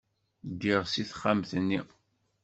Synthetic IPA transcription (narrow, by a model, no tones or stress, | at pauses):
ɡːiʁsiθχːamθənːi